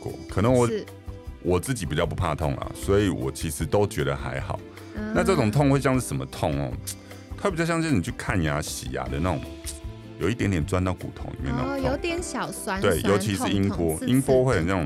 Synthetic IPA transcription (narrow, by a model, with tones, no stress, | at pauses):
kwɔ̰˨˦kʰɤ˨˩nə˧˦ŋwɔ˨˩ | wɔ˨˩t͡sɹ̩˥˩t͡ɕi˨˩pi˨˩t͡ɕjɑ˥˩ʊp̬u˧˥pʰa̰˥˧t̪ʰʊ̰˥˩ŋlɐ̰˩swɔ˧˥i˨wɔ̰˨˩t͡ɕʰi˧˥ʂɻ̩˧˦t̪o˥ʊt͡ɕɥɛ˧˦˥ɾə˨xa̰˧˥ɪxɑ̰˨˩˦ʊ | na˥˧t͡sɤ˥˩ʈ͡ʂʊ˨˩ŋt̪ʰŋxwe˥˧ɪt͡ɕjɑ˧ŋʂɻ̩˥˩ə˧˦mə˨t̪ʰɔ˥˧˨ŋhɔ̰˨˦ | t̪ʰa˥˩bi˨t͡ɕjɑ˥˧ŋ˧˥˨ni˨t͡ɕʰy˥˩kʰa˥˨nja˨˧˥ɕḭ˨˩a̰˨˦d̪ə̰˨na˥˩ʈ͡ʂʊ̰˨˩ | jo˨˩i˥˩t̪jnt̪jɛ˨˩nt͡swa˥nt̪ɑ˥˩ʊkṵ˨˩t̪ʰo̰˧˦ŋḭ˨˩mjɛ̰˥˧na̰˥˧jo˧˦ʊt̪jɛ˨˦nɕjɑ˨˩ʊswa˥nwe˧e˨˩ɪjo̰˨˧˥ʊt͡ɕʰi˧˥ʂ̩˥˨i˦npwɔ˦˥i˦npwɔ˥xwe˥˩ɪxə˨njɑ˥˩˨